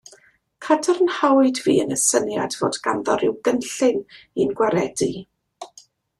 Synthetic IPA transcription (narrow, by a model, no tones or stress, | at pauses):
kʰadərnhawɨdvḭːənəsənjadvo̰ːdɡanðɔɾɪwɡənɬɪn | inɡwaɾɛdi